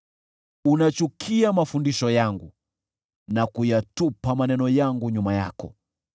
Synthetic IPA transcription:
unat͡ʃukʰiamafundiʃɔjaŋɡu | nakujatupamanɛnɔjaŋɡuɲumaja̰kɔ

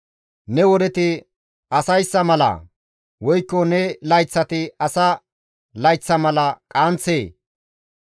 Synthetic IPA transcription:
nɛwɔd̪ɛt̪ɪ | ɐsɐjsːɐmɐlɐ̰ | wɔjkːɔnɛlɐjt͡sːɐt̪ɪɐsɐ | lɐjt͡sːɐmɐlɐkʼant͡sːeː

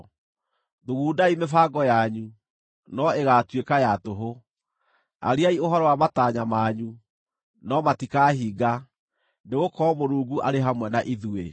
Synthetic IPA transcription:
ðuɣuːdaimefaɡɔjaɲu | nɔeɣatwekajatoɦo | a̰ɾiaioɦɔɾɔwamataɲamaɲu | nɔmatikaɦiːɡa | neɣokɔmoɾuːɡuʔaɾeɦamwɛnaʔiðue

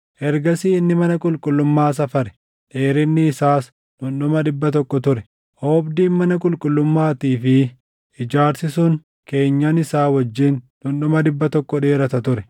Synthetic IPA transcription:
ʔɛɾɡɐsiːɪnːɪmɐnɐkʼʊlkʼʊlːʊmːaːs̬ɐfɐɾɛ̥ | ᶑeːɾɪnːɪːsaːs | ᶑʊnɗʊmɐᶑɪbːɐt̪ɔkːɔt̪ʊɾɛ | ʔoːbd̪iːnmɐnɐkʼʊlkʼʊlːʊmːaːt̪iːfɪ | ʔɪd͡ʒaːɾsɪsʊŋ | ke̞ːɲːanɪsaːwɐd͡ʒːɪnᶑʊnɗʊmɐd̪ɪbːɐt̪ɔkːɔᶑe̞ːɾɐt̪ɐt̪ʊɾɛ̥

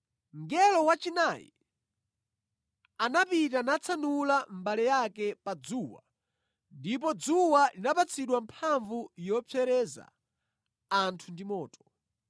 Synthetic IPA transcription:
ŋɡɛlɔwat͡ʃinajḭ | anapit̬anat͡sʰanulambalɛjakɛpad͡zuːwa̰ | ndip̬ɔd͡zuwalinapat͡sʰiɗwampʰaɱvujɔp͡sʰɛɾɛza̰ | antʰundimɔːtɔ̥

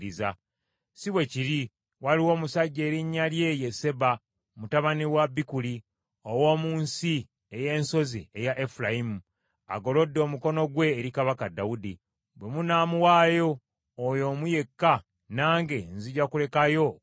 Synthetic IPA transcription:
ɾiza̰ | siβwe̞ciɾi | waliwo̞ːmusaɟːeːɾiɲːalje̞je̞se̞ba | mutaβaniwabːikuli | owo̞ːmuːnsi | eje̞ːnso̞ziejaʔe̞fulajimu | a̰ɡo̞lo̞dːo̞ːmuko̞no̞ɡwe̞ːɾikaβakadːawudi | bwe̞munaːmuwaːjo̞ː | jo̞muje̞kːa | naːŋɡe̞nziɟakule̞kajo̞

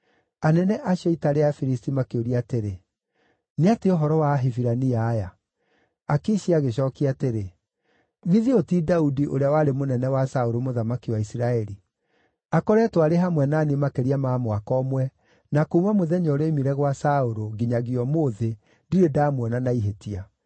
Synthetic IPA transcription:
anɛnɛʔaɕjɔitaɾeafiɾistimakeoɾiaːteɾe | neateoɦɔɾɔwaɦeviɾaniaːja | akiɕiaɣeɕɔːkiateɾe | ɣiðiotidaudiʔoɾeawaɾemonɛnɛwasaoɾomoðamakiwaisiɾaɛɾi | akɔɾɛtwaɾeɦamwɛnanemakeɾiamaːmwakɔmwɛ | nakoumamoðɛɲɔɾemiɾɛɣwasaoɾoɡiɲaɣiɔmoðe | ndiɾedaːmwɛnanaiɦetia

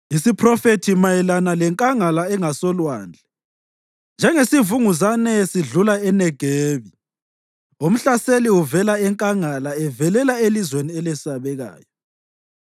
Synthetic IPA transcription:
isipʰrɔfetʰimajɛlanalɛŋkʼaŋalaɛŋasɔlwa̰ːnd͡ɮʱɛ | nd͡ʒʱɛŋesivuŋuzanɛsiɮulaɛnɛɡ̥ʱeːβi | um̩ɬaseliuvɛlaɛŋkʼaŋalaɛvɛlɛlaelizweniɛlɛsaβɛɣa̰ːjɔ

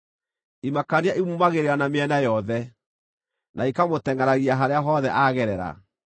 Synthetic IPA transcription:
imakaneaʔimumaɣeɾeɾanameɛnajɔðɛ | naikamotɛŋɡaɾaɣiaɦaɾeaɦɔðɛʔaɣɛɾɛɾa̰

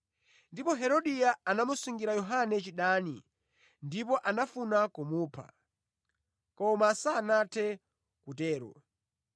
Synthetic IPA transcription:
ndipɔɦɛɾɔɗijaanamusuŋɡiɾajɔɦanɛt͡ʃiɗaːnḭ | ndipɔʔanafunakumuːpʰa̰ | kɔmasanatʰɛ | kutɛːɾɔ̰

